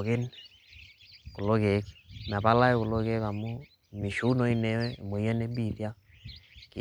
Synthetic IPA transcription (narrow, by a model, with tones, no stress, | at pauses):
kɪ˦n | ko˨lo˦ke˨˦kma˨pa˦la˦e˦kʊ˨lo˦ke˦ka˨mʊ˦ | mi˨ʃu˦no˦i˦ne˦ɛ˦˨mo˨ja˦ne˦bi˨ðja˦ | k